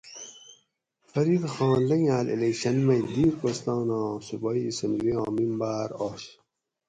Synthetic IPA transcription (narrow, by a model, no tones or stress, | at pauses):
fɐɾiɾxɑ̃ːnlɐŋaːlḭlekɕɐnmɐjd̪iːɾkost̪ɑ̃ːnɑ̃ːsubɑːiːsɐnɡɾiɑ̃ːmimbaːɾoːɕ